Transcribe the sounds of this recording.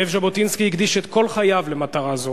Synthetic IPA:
evʒabot̪inskihiɡd̪iʃet̪ko̞lχajavlemat̪aʁazo

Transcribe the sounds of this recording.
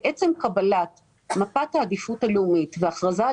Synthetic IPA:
ʔet͡se̞mkabalat | mapathaːd̪ifutaleumitveaχʁaza

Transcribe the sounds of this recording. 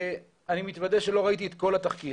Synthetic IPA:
animit̪vad̪eʃe̞lo̞ʁait̪iet̪ko̞lat̪aχki

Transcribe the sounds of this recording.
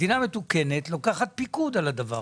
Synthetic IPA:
diname̞t̪uke̞ne̞t̪lo̞kaχat̪̚pikud̪alad̪ava̰

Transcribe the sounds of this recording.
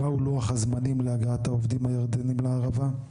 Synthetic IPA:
auloaχazmanimleaɡaat̪haovd̪imhajaʁd̪enimleaʁava

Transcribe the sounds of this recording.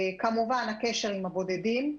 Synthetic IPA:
kamuvanake̞ʃe̞ʁimhabo̞dedim

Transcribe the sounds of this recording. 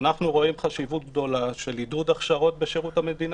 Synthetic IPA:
naχnuʁo̞imχaʃivut̪̚ɡd̪o̞laʃe̞lidud̪aχʃaʁo̞t̪̚beʃeʁuthame̞d̪in

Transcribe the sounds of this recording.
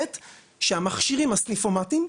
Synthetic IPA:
et̪ | ʃeamaχʃiʁimasnifomatim

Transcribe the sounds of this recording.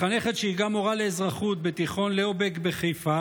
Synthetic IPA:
aneχet̪ʃeiɡamo̞ʁaleːzʁaχut̪̚bet̪iχo̞nleobekbeχejfa

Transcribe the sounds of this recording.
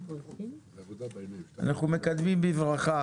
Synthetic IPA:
a̰naχume̞kad̪mimbivʁaχa

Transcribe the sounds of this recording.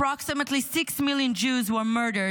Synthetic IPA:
ɹɑksɨmətlisɪksmɪlˠjɨ̃nd͡ʒʉzwə˞mɜ˞ɾə˞

